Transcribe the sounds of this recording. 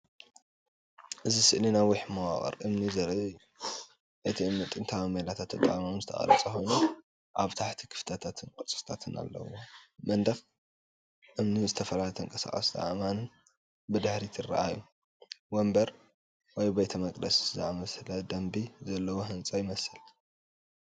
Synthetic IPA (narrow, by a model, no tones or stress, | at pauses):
ʔɨzisɨʔlinajwʊħmɐwaχʼɐ̰ɾʔɨmnizɐɾɨu | ʔet̪ʰiɨmɨt̪ʼɨnt̪ʰawamɐlat̪ʰat̪ɨnt̪ʼa̰ʔamanzɨt̪ʰɐ̰χʼɐ̰lɐt͡sʼɐxo̞jnu | ʔaβt̪ʰaħt̪ʰi̥kʰɨ̥ft̪ʰat̪ʰat̪ʰɨnkʼɨt͡sʼɨ̥st̪ʰat̪ʰɨna̰lːɐ̰womɐnd̪ɐx | ʔɨmnizɨt̪ʰɐfɐlalt̪ʰɐŋkʼɐsa̰χʼɐ̰sd̪a̰ʔman | bɨd̪ɨħɾit̪ʰɨrːa̰ʔaju | wombɐɾ | wɔjbet̪ʰɐmɐkʼd̪ɐszaʔamɐslɐd̪ɐmbizɐlːɐwoɦɨnt͡sʼɐjɪmɐsɨl